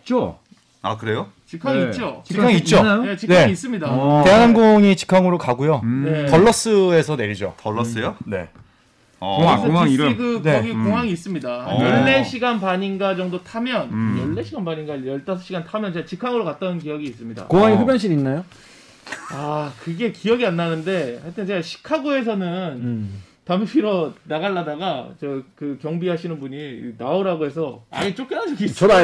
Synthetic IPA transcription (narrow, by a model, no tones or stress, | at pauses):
it͡ɕ͈o | a̰kɯɾe̞jo | t͡ɕikʰaŋiːt͡ɕ͈ot͡ɕiikʰaŋiiːt̚t͡ɕ͈ojonet͡ɕiknae̞ais͈ɯmɲidate̞ɦanɦanɡoŋit͡ɕi̥kʰaŋɯɾokaɡujonetʌɭːʌs͈ɯe̞sʰʌne̞ɾid͡ʑo̰tʌːʌs͈ɯjone̞̰ | aŋakɯneoɡikoŋɦaŋiːs͈ɯmɲidajʌɭːe̞ɕʰiɡanpaɲinɡad͡ʑʌŋdotʰamjʌnjʌɭːe̞ɕʰiɡanbaɲinɡajʌɭt͈asʰʌɕʰiɡantʰamjʌnt͡ɕeɡat͡ɕikʰaɡɯɭokat̚t͈ʌnɯnkijʌɡiːs͈ɯmɲida̰koŋɦaŋiɸubjʌnɕ̬ʰininːajo | akɯɡe̞kijʌɡianːanɯnde̞haɭtʰent͡ɕeɡaɕʰi̥kʰaɡoe̞s̬ʰʌnɯn | tampʰiɾʌnaɣaɭːadaɡat͡ɕʌkɯkjʌŋbiɦaɕʰinɯnbuɲinaoɾaɡoɦe̞s̬ʰʌa̰ɲit͡ɕ͈ok͈ɯnansʰʌkit͡ɕʰa